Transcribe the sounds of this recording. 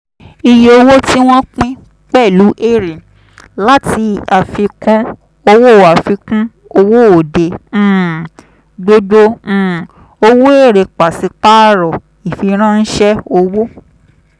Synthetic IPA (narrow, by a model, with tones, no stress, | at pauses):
i˧je˧o˧wo˦ti˦w̃ɔ̃˦k͡pĩ˦ | k͡pɛ˦˨lu˨˦ʔe˦˨ɾi˨ | la˦ti˧˦a˨fi˧kũ˦ | o˧wo˦˨a˨fi˧kũ˦ | o˧wo˦o˨dẽ˨˦ | ɡ͡bo˧dõ˧˦˨ | o˧wo˦e˦˨ɾe˨k͡pa˨si˧˦k͡pa˦ɾɔ˨ | i˨fi˧ɾ̃ã˦n̩˦ʃɛ˦o˧wo˦